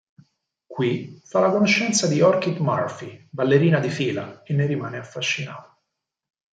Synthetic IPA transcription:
kwifalakonoʃːɛnt̪sad̪iɔrkit̪ma̰rfibalːeɾiːnad̪ifiːla̰enːeɾimaːneafːaʃːina̰ːt̪ḁ

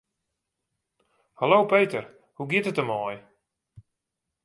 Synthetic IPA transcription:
halowpejtər | huɡɪtətəmɔj

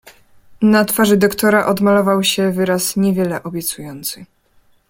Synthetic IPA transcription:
nat̪faʐɘd̪ɔkt̪ɔɾaʔɔd̪malɔvawɕɛvɘɾasɲɛvʲjɛlɛʔɔbʲjɛt̪sujɔnt̪sɘ

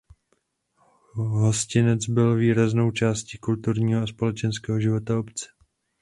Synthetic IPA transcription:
ɦoscɪnɛt͡sbɪlviːɾazno̞wt͡ʃaːsciːkult̪uɾɲiːɦoaspo̞lɛt͡ʃɛnskɛːɦoʒɪvo̞t̪aopt͡sɛ̥

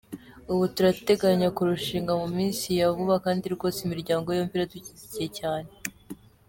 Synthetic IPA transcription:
uβutuɾate̞ɡaɲakuɾuʃiːŋɡamumiːnsijavuβakaːndiɾɡo̞ːsimiɾɟaːŋɡo̞joːmpiɾatuciticije̞caːne

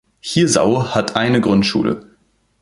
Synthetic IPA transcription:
hiːɐza̰ʊhatʰʔaɪnəɡʁʊntʃṵːlʔə̰

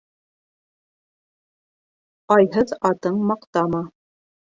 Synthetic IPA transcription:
ɑjɦɤðɑt̪ɤɴmɑqt̪ɑmɑ

